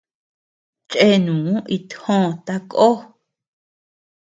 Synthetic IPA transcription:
t͡ʃʼʔe˦nũː˨˦i˧t̪hõ˦˨t̪a˧kʼo˦

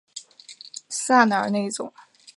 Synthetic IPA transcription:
sa˥˩nə˞˨˩˥ne˥˩ɪi˥t͡sʊ̰˨˩˦ŋ

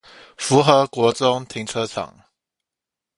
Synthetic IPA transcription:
fu˧˥xɤ˧˥kwɔ˧˥t͡sʊ˥ŋt̪ʰi˧˥ŋt͡sʰɤ˥ʈ͡ʂʰɑ̰˨˩˦ŋ

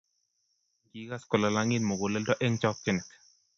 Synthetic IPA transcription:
ɡi˦ka˦skɔ˨la˨la˦ŋi˦nmo˨ɡo˨lɛ˦ldɔ˦ʔɛ˦ŋt͡ʃɔ˦k̚kɪ˦nɪ˨k

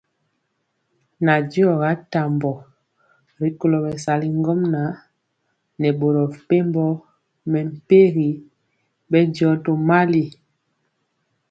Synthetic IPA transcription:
na˨di˦ɔ˨ɣa˨˦ta˨mbɔ˨ | ɾi˦ko˨lo˨bɛ˨sa˨li˦ŋ˦ɡɔ˦mna˨˦ | nɛ˨bo˨ɾɔ˨pe˦mbɔ˦ | mɛ˨m̩˨pe˦ɣi˨˦ | bɛ˦djɔ˦to˨ma˦li˨

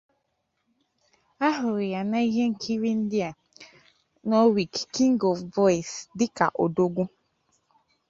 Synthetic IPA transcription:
a˦ɦʊ˨ɾɪ˨ja˨na˦i˦ɦe˦ŋ̩˦˨kʰi˦ɾi˦n̩˦dɪ˦a˨ | nɔ˦wi˨kki˦ŋ˦ɡɔ˨vvɔ˦i˨sdɪ˦ka̰˨ʔo˨do˦ɡʷu˦

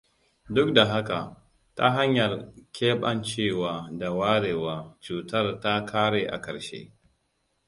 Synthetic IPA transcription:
dʊ˦k̚da˨ɦa˦ka˨ | ta̰˦ɦa˦ɲjɐ˨rkʲʰeː˦ɓɐ˦nt͡ʃeː˦˨waː˨da˨waː˦ɽeː˨waː˨t͡ʃuː˨tɐ˦rta˦kʰaː˦ɽeː˨ʔa̰˨kɐ˨ɾʃḛ˦

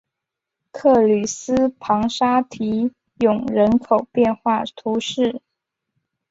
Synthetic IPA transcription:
kʰɤ˥˩ly˨˩s̩˥pʰɑ˧˥ŋʂa˥t̪ʰi˧˥ | jʊ˨˩ŋɻə˧˥nkʰo˨˩ʊpjɛ˥˧nxwa˥˩t̪ʰu˧˥ʂɻ̩˥˩

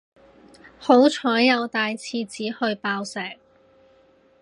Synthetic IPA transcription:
ho˨˥wt͡ʃʰɔː˨˥jjɐ˨˧wt̪aː˨jt͡sʰiː˧t͡siː˨˥hɵ˧ɥpaː˧wsɛː˨˩k̚

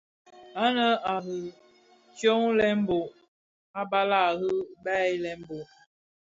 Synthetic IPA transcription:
a˦nə˦a˨ɦɯ˨ | t͡ʃjo˦ŋlɛ˦m˦bo˨ | a˦ba˦la˦˨ɦɨ˦bɛ˦i˦lɛ˦m˦bo˨

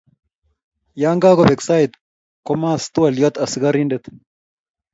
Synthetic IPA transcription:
jaː˦ŋɡaː˦ɡɔ˨bɛ˨ksaː˦ɪt̪ | kɔmaː˦st̪u˦wɐ˨ljɔ˦t̪ɐsɡɐɾind̪ɛt̪

